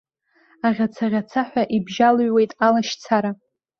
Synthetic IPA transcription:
aʁʲat͡sʰaʁʲat͡sʰaħʷᶣaʔibʒalɥwe̞jtʼalaʃt͡sʰaɾa

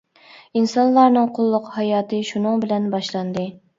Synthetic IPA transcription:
insɑnlˠɑɾnɨŋqʰʊlˠːʊqhɑjɑːt̪ʰɨʃunɨŋbɪlɛnbɑʃlˠɑnd̪ɨ

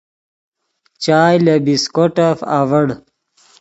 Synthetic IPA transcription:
t͡ɕaːjlebiskoʈafa̰ːʋəɽ

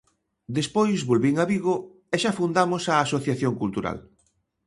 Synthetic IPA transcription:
d̪espojzβolβiŋaβiɣo | eʃafund̪amosaːsoθjaθjoŋkult̪uɾa̰l

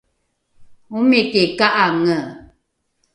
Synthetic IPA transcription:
umekekaʔaŋə

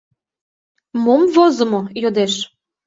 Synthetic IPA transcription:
momvozə̆mojod̪eʃ

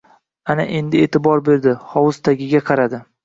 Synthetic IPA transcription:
ana̰ʔe̞nd̪ɪeːt̪ʰɪbɒɾbe̞ɾd̪ɪhɒwʊst̪ʰaɡʲɪɡʲaqʰɑɾad̪ɪ

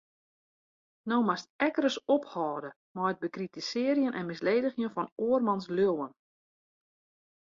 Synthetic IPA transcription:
nowmastɛkəɾəsɔphɔːdə | mɔət̚bəkritisɪːɾjənʔɛ̰nmɪsleːdəxjənfɔnoːərmɑnsljøwən

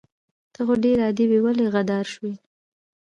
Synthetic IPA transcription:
t̪əxoɖeɾɑd̪iwewaleɣad̪ɑɾʃwi

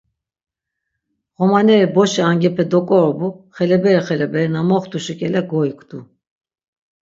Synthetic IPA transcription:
ɣɔmanɛɾibɔʃɛaŋɡɛpʰɛd̪ɔkʼɔɾɔbuχɛlɛbɛɾiχɛlɛbɛɾnamɔχt̪uʃikʼɛlɛɡɔikʰʼd̪̥u

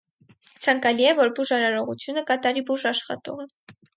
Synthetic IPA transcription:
t͡sʰɑŋkɑliɛvɔɾbuʒɑɾɑɾɔʁut͡sʰjunəkɑt̪ɑɾibuʒɑʃχɑ̰t̪ɔ̰ʁɛ

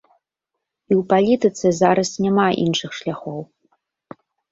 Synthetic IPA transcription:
iwpalʲit̪ɨt̪sɨzaɾɐsnʲamaʔḭnʂɨxʂlʲaxɔw

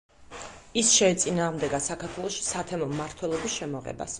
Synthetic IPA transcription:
isʃɛːt̪sʼinaːʁmd̪ɛɡasakʰaɾt̪ʰwɛlˠɔʃi̥sat̪ʰɛmɔmːaɾt̪ʰwɛlˠɔbisʃɛmɔʁɛ̰ba̰s

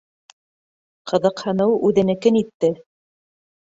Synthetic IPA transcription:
qʰɤ̆ðɤ̆qhɤ̆nɤwʉðɘ̆nɘ̆kɘnit̪ːɘ

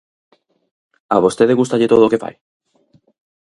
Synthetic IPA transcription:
aβ̞ost̪eðeɣust̪aʎet̪oð̞ookefa̰j

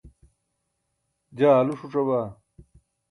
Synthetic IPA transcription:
d͡ʑaːluʂuʈ͡ʂɐbaː

